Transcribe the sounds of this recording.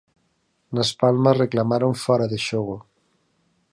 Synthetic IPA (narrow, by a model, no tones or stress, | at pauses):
nɐspalmɐsreklamaɾoɱfɔɾɐðeʃoɣ̞o